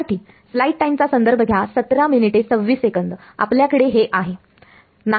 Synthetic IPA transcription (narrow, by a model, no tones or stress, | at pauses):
ʈ̪iː | slaiʈʈajmt͡sasənd̪əɾbʱəɡʱjasət̪ɾaminiʈet͡səʋːiːsekənd̪a̰pljakəɽeɦeʔaɦe | na